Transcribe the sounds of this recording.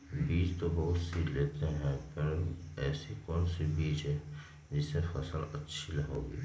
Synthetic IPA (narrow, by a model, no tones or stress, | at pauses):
biːt͡ʃt̪obɐɦʊt̪sileːt̪eɦɛ̃pɐɾɛːsikɔːnsibiːt͡ʃɦɛ̃ | d͡ʒɪsefɐsəlɐtːʃʰilɐɦo̰ːɡḭː